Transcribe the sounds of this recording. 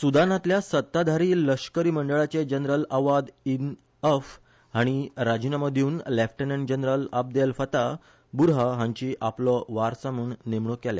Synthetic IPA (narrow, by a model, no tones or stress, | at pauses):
sud̪anãt̪ljasət̪ːad̪ʱaɾiːləʂkəɾiːməɳɖəɭat͡ɕed͡ʑənɾələʋad̪in | əf | ɦaɽ̃iɾad͡ʑinaməd̪juuːnlefʈənəɳd͡ʑənɾələp̚d̪elfət̪a | buɾɦəɦãɲt͡ɕiːʔaplɔʋaɾsamuːnnemɳokɛlḛ